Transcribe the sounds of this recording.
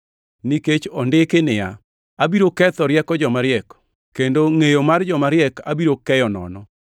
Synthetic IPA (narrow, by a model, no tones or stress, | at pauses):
niket͡ʃɔndɪkɪnɪja̰ | abiɾokɛt̪ɔɾjɛkɔd͡ʒɔmaɾjɛkɔ̥ | kendoŋejomard͡ʒɔmaɾjɛkabiɾokɛjɔnɔ̰nɔ